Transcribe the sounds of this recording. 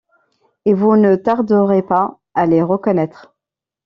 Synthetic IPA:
evunət̪aʁd̪əʁepa | aleʁəkɔnɛt̪χ

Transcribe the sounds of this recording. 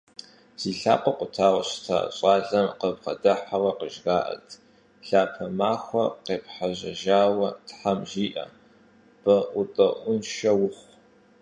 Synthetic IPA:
z̥iːɬa̰ːqʷʼɐqʷʼʊtʰaːʁɐɕtʰa̰ɕʼɑːɮɐmqəbʁɐdɐħawɐqəʒɡaːʔɐ̰tʰ | ɬaːpʰɐmaːxʷɐ̰qeːpħaʑɐʒaːwɐtħamʒiːʔɐ̰ | b̥ɐʔʷʊtʼɐʔʷʊnʃɐwʊχʷ

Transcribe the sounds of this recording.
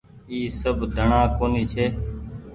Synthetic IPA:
iːsəbʱd̪ʱəɳãːkoːniːt͡ʃʰeː

